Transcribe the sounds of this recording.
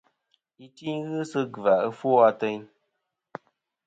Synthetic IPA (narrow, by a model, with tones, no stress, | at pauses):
i˨ti˦ɲɣɨ˦sɨ˦ɡva˨ə˦fwo˦a˧te˦˧ɲ